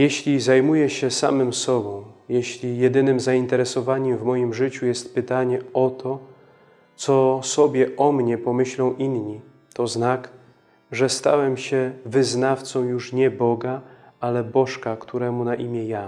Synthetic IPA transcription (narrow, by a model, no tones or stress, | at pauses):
jeɕlʲizajmujɛɕɛsa̰mɘmsɔbɔ̃w̃jeɕlʲijɛd̪ɘnɘmzaint̪ɛɾɛsɔvaɲɛmvmɔjimʐɘt͡ɕujɛst̪pɘt̪aɲɛɔt̪ʰɔ | t̪sɔsɔbʲjɛʔɔmɲɛpɔmɘɕlɔ̃w̃ʔinɲi | t̪ɔznak | ʐɛst̪a̰wɛmɕɛvɘznaft̪sɔ̃w̃juʂɲɛbɔɡaalɛbɔʂkakt̪ʰuɾɛmunaʔimʲjɛja